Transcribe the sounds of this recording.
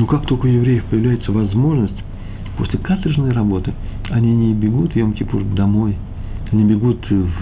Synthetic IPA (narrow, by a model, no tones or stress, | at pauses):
nukak̚t̪o̞lʲkəjɪvɾʲejɪfpəjɪvlʲæjɪt̪səvɐzmo̞ʐnəsʲtʲ | po̞̰sʲlʲɪkat̪ɾʲɪʐnəjrɐbo̞t̪ɨɐnʲinʲɪbʲɪɡut̪jomkʲɪpurd̪ɐmo̞j | ɐnʲibʲɪɡut̪v